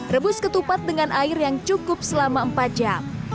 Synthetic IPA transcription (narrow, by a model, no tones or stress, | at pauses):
rəbʊskət̪upat̪̚dəŋanʔaɪrjaŋt͡ʃukʊp̚səlamaəmpat̪̚d͡ʒam